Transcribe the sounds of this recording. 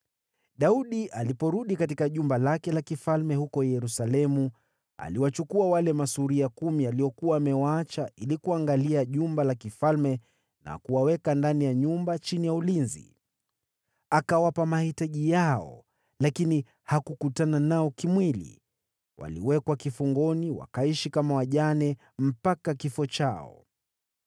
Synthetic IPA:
ɗauɗiʔalipɔɾuɗikatikaʄumbalakɛlakifalmɛhukɔjɛɾusalɛmu | a̰liwat͡ʃukuawalɛmasuɾiakumialiɔkuwaːmɛwaat͡ʃailikuaŋɡaliaʄumbalakifalmɛ | na̰kuwawɛkandanijaɲumbat͡ʃinijaulinzḭ | akawapamahitaʄijaɔ̰ | lakini | hakukutananaɔkimwilḭ | wʔa̰lḭwɛkwakifuŋɡɔniwa̰kaiʃikamawaʄanɛ | m̩pakakifɔt͡ʃaɔ̰

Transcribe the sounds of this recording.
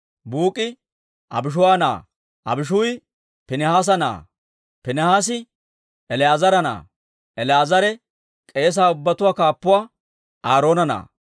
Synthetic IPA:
buːkʼːɪ | ʔɐ̰bɪʃ̬ʊwaːna̰ː | ʔɐ̰bɪʃ̬ʊj | pɪnɛhaːs̬ɐna̰ː | pɪnɛhaːs̬ɪ | ʔɛlɪjaːzɐɾɐna̰ː | ɛlɪjaːzɐɾɛ | kʼe̞ːs̬aːʊbːɐt̪ʊwaːkaːpːʊwaː | aːɾo̞ːnɐna̰ː

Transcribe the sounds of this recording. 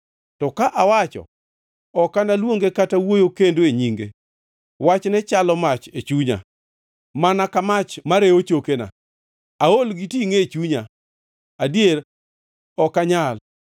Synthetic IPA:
tɔkaʔawat͡ʃɔ̰ | ɔkːanalwoŋɡekatawojokendoeɲiŋɡe | wat͡ʃnɛt͡ʃalɔmat͡ʃet͡ʃuɲa̰ | manakamat͡ʃmaɾeot͡ʃokena̰ | aolɡitiŋeet͡ʃuɲa | adjeɾ | ɔkaɲal

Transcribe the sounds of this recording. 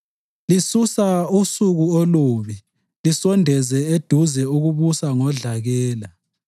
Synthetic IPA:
lisusausuɣuoloβi | lisɔndʱɛzɛed̥ʱuzɛuɣuβusaŋɔɮaɣɛːla

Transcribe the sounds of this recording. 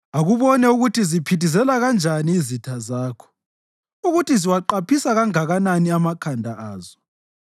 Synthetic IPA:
aɣuβɔnɛuɣutʰizipʰitʰizɛlaɣand͡ʒʱaniːzitʰazaːkʰɔ̥ | uɣutʰiziwaǃapʰisaɣaŋaɣananiamakʰandʱaaːzɔ

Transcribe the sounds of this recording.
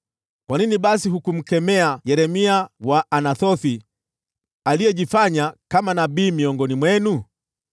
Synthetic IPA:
kwaniniɓasiɦukum̩kɛmɛajɛɾɛmiawaʔːnaθɔθi | alijɛʄifaɲakamanabiːmiɔŋɡɔnimwɛnu

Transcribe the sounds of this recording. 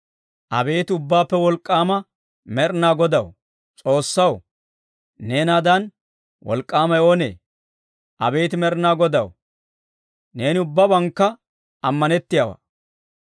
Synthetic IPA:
ʔɐ̰be̞ːt̪ɪʊbːaːpːɛwɔlkʼːaːmɐ | mɛɾnaːɡɔd̪ɐw | t͡sʼo̞ːsːɐw | ne̞ːnaːd̪ɐn | wʔɔ̰lkʼːaːmɐjo̞ːnḛː | ʔɐ̰be̞ːt̪ɪmɛɾnaːɡɔd̪ɐw | ne̞ːnɪʊbːɐbɐŋkːɐ | ɐmːɐnɛt̪ːɪjawɐ̰ː

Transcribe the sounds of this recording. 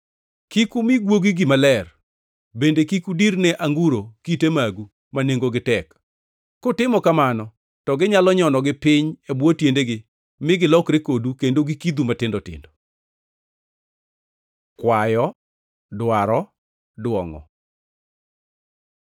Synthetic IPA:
kikumɪɡwoɡiɡɪmalɛr | bendekikudiɾnɛʔaŋɡuɾokitemaɡu | maneŋɡoɡɪtɛkː | ʊtɪmɔkamanɔ | tɔɡɪɲalɔɲɔnɔɡɪpɪɲebwotjendeɡɪ | mɪɡɪlɔkɾekodukendoɡikid̪umatɪndɔtɪ̰ndɔ | kwajɔ | dwaɾɔ | dwɔŋɔ̰

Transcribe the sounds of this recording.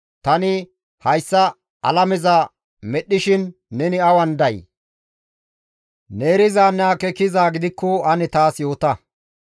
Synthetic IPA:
t̪ɐnɪ | hɐjsːɐ | ɐ̰lɐmɛzɐ | mɛɗːɪʃɪnːɛnɪɐwɐnd̪ɐj | ne̞ːɾɪzaːnaːkɛkːɪzaːɡɪd̪ɪkːɔɐnɪt̪aːsjo̞ːt̪ɐ

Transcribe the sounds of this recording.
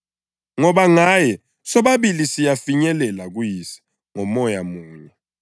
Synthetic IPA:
ŋɔɓaŋajɛ | sɔɓaɓilisijafiɲɛlɛlak̬wjisi̥ | ŋɔmɔjamuːɲɛ

